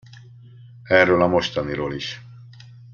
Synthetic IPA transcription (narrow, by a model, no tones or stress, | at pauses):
ɛrːøːlɒmo̞ʃt̪ɒniɾoːliʃ